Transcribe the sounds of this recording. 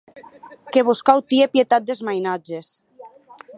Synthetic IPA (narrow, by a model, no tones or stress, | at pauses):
keβuskawt̪iepjet̪at̪̚d̪ezmajnad͡ʒes